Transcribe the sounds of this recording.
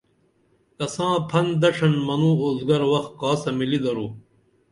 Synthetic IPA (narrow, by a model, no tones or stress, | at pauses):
kɐsãːpʰɐnd̪ɐʂɐnmɐnũːoːzɡɐɾwɐxt̪̚kaːsɐmilid̪ɐɾuː